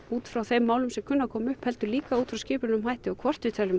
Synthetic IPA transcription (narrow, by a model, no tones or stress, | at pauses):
uːt̪fɾawθejmːaːwlʏmsɛmkʰʏnːakʰɔːmʏhphɛlt̪ʏliːkauːt̪fɾawscɪːpʏɾɪnʏmɦajht̪ɪɔwkʰvɔr̥t̪vɪt̪ʰɛlʏm